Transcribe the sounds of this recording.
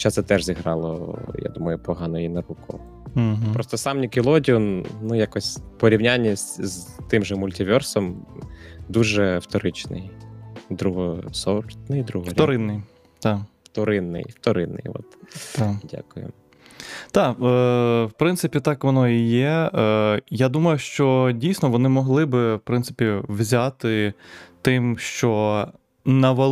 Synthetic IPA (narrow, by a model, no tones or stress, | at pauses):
xɔt͡ʃːat̪sɛt̪ɛʒzʲiɦɾɑlˠɔ̰ja̰d̪umɐjʊpɔɦɑnɔjinɐɾukɔ̰ | ɦ̩pɾɔst̪ɔsɑmnʲikʲilˠɔdʲiɔnnujakɔsʲpɔɾʲiwnʲanʲːisʲzt̪ɪmʒɛmʊlʲtʲɪʋʲɔrsɔm | d̪uʒɛft̪ɔɾɪt͡ʃnɪ̰jd̪ɾuɦɔsɔɾt̪nɪjd̪ɾuɦɔfɾʲɔɾɪnːɪj | t̪ɑft̪ɔɾɪnːɪ̰jft̪ɔɾɪ̰nːɪ̰jʋɔ̰t̪t̪ɑdʲa̰kʊjʊ̰ | t̪ɑ | wpɾɪnt̪sɪpʲit̪ɑkʋɔnɔijɛ | jad̪umɐjʊʃt͡ʃɔdʲijsʲnɔʋɔnɪmɔɦlˠɪbɪwpɾɪnt̪sɨɪpʲiwzʲat̪ɪt̪ɪmʃt͡ʃɔ | nɐʋɐ